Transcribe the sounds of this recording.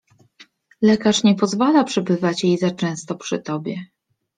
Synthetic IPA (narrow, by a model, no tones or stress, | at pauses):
lɛkaʂɲɛpɔzvalapʂɛbɘvat͡ɕjejzat͡ʂɛ̃w̃st̪ɔpʂɘ̰t̪ɔbʲjɛ